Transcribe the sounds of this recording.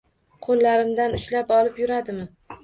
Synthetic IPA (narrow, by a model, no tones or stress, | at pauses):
qʰonlaɾɪmd̪anʊʃlapɒlˠɪpjʊɾad̪ɪmɪ